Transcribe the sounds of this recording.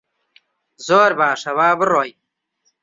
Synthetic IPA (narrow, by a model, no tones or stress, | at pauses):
zoːɾbaːʂɐwaːbəɾoːj